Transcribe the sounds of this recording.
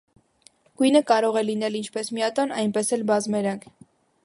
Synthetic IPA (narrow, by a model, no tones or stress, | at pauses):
ɡ̥ujnəkɑɾɔʁɛlinɛlint͡ʃʰpɛsmiɑt̪ɔnɑjnpɛsɛlbɑzmɛɾɑŋkʰ